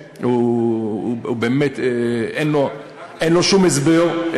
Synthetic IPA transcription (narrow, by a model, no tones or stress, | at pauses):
u | ubeːmet̪eenlo | enloʃumezbeʁ